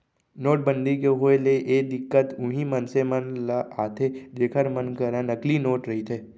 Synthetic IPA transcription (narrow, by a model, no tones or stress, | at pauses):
noːʈ̚bə̃nd̪ʱikeɦoeleʔeːd̪ɪkːət̪ʊɦĩmɐnsemɐnləaːt̪ʰed͡ʒeːkʰəɾmənkəɾənɐklinoːʈɾɐɦit̪ʰeː